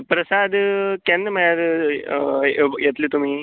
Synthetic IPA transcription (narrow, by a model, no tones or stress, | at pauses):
pɾəsad̪kɛnːəməjaɾ | jet̪liːt̪um̤iː